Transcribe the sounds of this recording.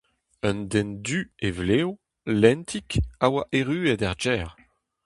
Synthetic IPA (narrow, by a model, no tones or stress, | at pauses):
œnd̪ɛnd̪yevleːw | lɛ̃nt̪ʰikawaʔeʁyːedaʁd͡ʒɛːʁ